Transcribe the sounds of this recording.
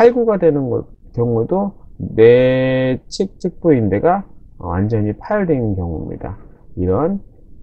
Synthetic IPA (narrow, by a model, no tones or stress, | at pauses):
aɭɡuɡadwe̞nɯnɡʌ̰ | kjʌŋudone̞ | t͡ɕʰek̚t͡ɕʰɯk̚p͈uindeɡawa̰nd͡ʑʌɲipʰajʌɭdwe̞nnkjʌŋuḭmɲḭda̰iɾʌn